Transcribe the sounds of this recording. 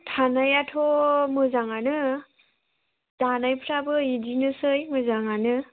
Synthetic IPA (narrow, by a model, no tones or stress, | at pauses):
tʰanajatʰomɯzaŋanɯ | d̥anajpʰɾabɯidinɯsɯjmɯzaŋanɯ